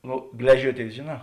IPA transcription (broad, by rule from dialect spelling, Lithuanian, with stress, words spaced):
ˈnʊ ˈɡlʲæːʒʲuɔˌtʲeːɪs ʒʲeːˌnɑː